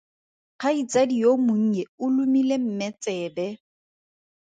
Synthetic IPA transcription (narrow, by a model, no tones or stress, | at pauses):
q͡χʰait͡sadijomʊŋ̩ɛʊlumilem̩mɛt͡sʼɛːbɛ